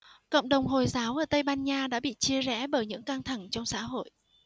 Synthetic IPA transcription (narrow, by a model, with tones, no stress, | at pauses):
kə̰˧˨wŋ͡mɗə˨˩wŋ͡mɦo˨˩jzaː˨˦wʔəː˧˩t̪ə˧jɓaː˧nɲaː˧ɗa̰ː˧˥ɓḭ˧˨t͡ɕi˧əzɛ̰˧˥˩ɓəː˧˩jɲɨ̰˧˥ŋka˧ŋt̪ʰa˧˩ŋt͡ɕɔ˧wŋ͡msa̰ː˧˥ɦo̰˧˨jʔ